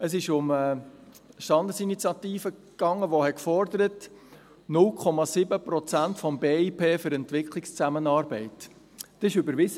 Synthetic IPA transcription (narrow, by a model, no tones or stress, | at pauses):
əsɪʃʊmə | ʃtɑnd̪əsinit͡sjɑt̪iːfəkɑŋːəʋoɦɛkfɔɾd̪əɾət | nʊlkʰχɔmɑsɪbəpɾɔt͡sæntfɔmbeːipʰeːfʏɾɛntvɪkχʰlikst͡sæmənɑːɾbɛɪt | tɪʃʏbəɾʋɪz